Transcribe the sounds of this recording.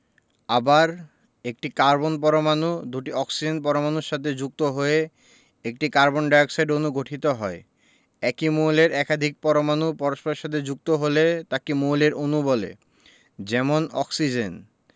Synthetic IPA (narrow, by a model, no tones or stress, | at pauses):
abaɾ | ek̚ʈikaɾbonpɔɾomanud̪uʈiɔksid͡ʑenpɔɾomanuɾʃat̪ʰed͡ʑuk̚t̪oɦoe | ek̚ʈikaɾbonɖajoksajɖonuɡʱoʈʰit̪oɦɔe | ɛkimoleɾɛkad̪ʱik̚pɔɾomanupɔɾoʃpoɾeʃat̪ʰed͡ʑuk̚t̪oɦolet̪akimoleɾʔonubolḛ | d͡ʑɛmonɔ̰ksid͡ʑen